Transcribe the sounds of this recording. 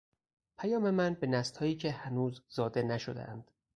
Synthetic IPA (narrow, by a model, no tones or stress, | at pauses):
pʰæjɒːme̞mænbe̞næst̪hɒːjiːcʰe̞hænuːzzɒːd̪e̞næʃod̪ḛʔænd̪̥